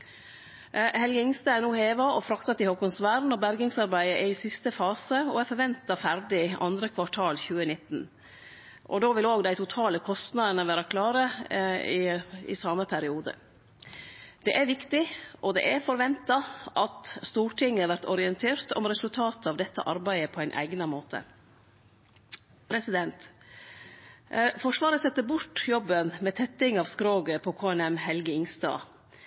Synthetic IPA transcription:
hɛlɡəɪŋst̪əænuːheːʋɑʔɔfɾɑkt̪ɑt̪ɪhoːkʊnsʋæːɾnɔbæɾɡɪŋsɑɾbæɪəʔɛɪsɪst̪əfɑːsəɔɛɾfɔɾʋɛnt̪ɑfæɾɖɪɑ̰nd̪ɾəkʰʋɑʈʰɑːlçʉːənɪt̪ːn̩ | ʔɔ̰d̪oːʋɪloːɡd̪æɪt̪ʰʊt̪ʰɑːləkʰɔst̪nɑd̪ənəʋæːɾəkʰlɑːɾəɪɪ̰sɑːməpʰæɾɪuːd̪ə̰ | d̪̥ɛʔæɾʋɪkt̪ɪʔɔd̪ɛ̰ʔæɾfɔɾʋɛnt̪ɑʔɑt̪st̪uːɾʈʰɪŋːəʋæɾt̪ɔɾɪɛnt̪ʰeːɾt̪ɔ̰mɾɛsʉlt̪ʰɑːt̪əɑʋd̪ɛt̪ːə̰ʔɑɾbæɪəpʰɔæɪnʔæ̰ɪɡnɑmoːt̪ʰə̰ | pʰɾɛsɪd̪ɛnt̪ | fɔʂʋɑːɾəsɛt̪ːəbʊʈjɔbːənmɛt̪ʰɛt̪ːɪŋɑʋskɾoːɡəpʰɔkʰoːɛnɛmhɛlɡəɪŋst̪ɑ̰ː

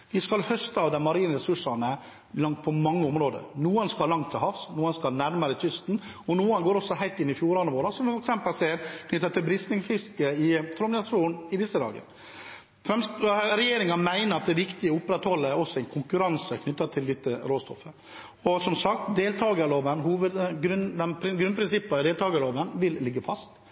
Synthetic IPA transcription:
ʋɪskɑlhœst̪ɑʋd̪æmɑɾiːnɾɛsʉʂɑnə | lɑŋt̪̚pʰɔmɑŋːəʊmɾoːd̪ə̰ɾnuːənskɑllɑŋt̪ʰːɪlhɑfsnuːənskɑlnæɾməɾət̪ʰʏst̪n̩ | ɔnuːənɡoːɾɔsɔɦæɪt̪ɪnːɪfjuːɾɑnəʋoːɾɑsɔmfɔɾɛksɛmpəlsɛːnkʰnʏt̪ːət̪ɪlbɾɪst̪nɪŋfɪskəɪt̪ʰɾʊmɑsuːnɪd̪ɪsəd̪ɑ̰ːɡə̰ɾ | fɾɛmsɾɛjeːɾɪŋɑnmæɪnəɾɑt̪̚d̪ɛʋɪkt̪ɪəʊpːɾɛt̪hɔlːəɾɔsːɔɛɪnkʰʊŋkʉɾɑnsəkʰnʏt̪ːət̪ʰɪld̪ɪt̪ːəɾoːst̪ɔ̰fə | ɔsɔmsɑk̚t̪d̪eːlt̪ʰɑːɡəloːʋənɦuːʋəd̪ɡɾʉnd̪ɛmpʰɾɪɡɾʉnpɾɪnsɪpːd̪eːlt̪ɑːɡəɾɭoːʋənʋɪlːɪɡːəfɑst̪

